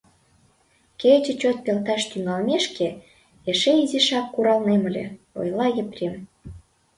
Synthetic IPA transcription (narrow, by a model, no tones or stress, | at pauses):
ket͡ɕə̆t͡ɕot̪̚ːelt̪ɑʃt̪yŋɑlmeʃke | eʃeiziʃɑkːuɾɑlnemə̆lʲḛ | o̰jlɑjeprʲem